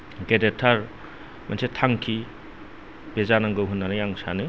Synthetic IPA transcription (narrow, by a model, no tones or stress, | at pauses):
ɡedetʰaɾ | mansetʰaŋkʰi | bezanaŋɡɯwɦunːanɯjaŋsanɯ